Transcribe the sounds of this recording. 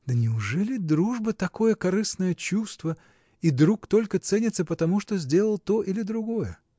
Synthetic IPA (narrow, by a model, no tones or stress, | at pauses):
d̪ənʲɪʊʐɛlʲɪd̪ɾuʐbət̪ɐko̞jəkɐɾɨsnəjət͡ɕust̪və | id̪ɾukt̪o̞lʲkət̪sɛnʲɪt̪səpət̪ɐmuʂt̪o̞zʲdʲe̞lˠəlˠt̪o̞ʔilʲɪd̪ɾʊɡo̞jə